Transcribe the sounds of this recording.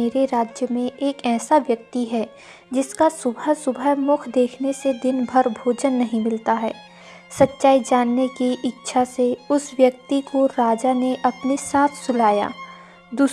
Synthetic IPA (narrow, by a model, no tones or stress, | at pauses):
eːɾeɾaːd͡ʒjəmẽʔeːkɛːsaʋjɐk̚t̪iɦɛ | d͡ʒɪskasʊbʱəsʊbʱəɦmʊkʰd̪eːkʰnesed̪ɪnbʱɐɾbʱoːd͡ʒənːɐɦĩmɪlt̪aɦɛː | sɐtːʃaːid͡ʒaːnːekiʔɪtːʃʰaseʊsʋjɐk̚t̪ikoɾaːd͡ʒaneʔɐpnesaːt̪ʰsʊlaːja̰ː | d̪uː